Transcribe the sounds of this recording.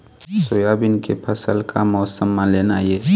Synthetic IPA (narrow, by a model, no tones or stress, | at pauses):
soːjabɪnkepʰɐsəlkʰamɔːsəmːãleːnaːjeː